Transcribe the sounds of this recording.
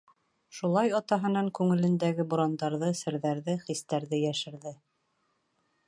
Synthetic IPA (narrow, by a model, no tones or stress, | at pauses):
ʃulˠɑjɑt̪ɑɦɤ̆nɑŋkʉŋɘ̆lɘ̆nd̪æɡɘbŭɾɑnd̪ɑɾðɤsɘ̆ɾðæɾðɘχist̪æɾðɘjæʃɘ̆ɾðɘ